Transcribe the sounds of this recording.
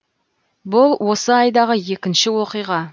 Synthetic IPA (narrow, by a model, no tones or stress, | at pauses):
bʊlˠwo̞səɑjd̪ɑʁəje̞kʲɪnʃɪwo̞qijʁɑ